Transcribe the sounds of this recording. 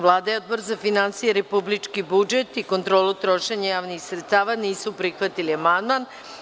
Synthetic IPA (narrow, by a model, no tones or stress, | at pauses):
ʋlˠaːd̪ajeod̪̚bo̞ɾzafinansijeɾepublit͡ʂkibud͡ʒe̞t̪iko̞nt̪ɾo̞ːlˠut̪ɾo̞ʃeɲajaːʋnixsɾet̪st̪aːʋaniːsupɾixʋat̪iliamand̪man